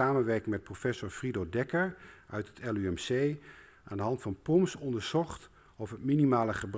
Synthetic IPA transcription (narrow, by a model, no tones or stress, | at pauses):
aːmənʋɛɹkɪŋmɛt̚profɛsʊɹfridodɛkəɹœɥtətʰɛlˠyɛmsej | ʔa̰ːndəɦɑntfɑnpɔmsɔndəɹz̥ɔχt | ɔfɦətminimaːləχəbr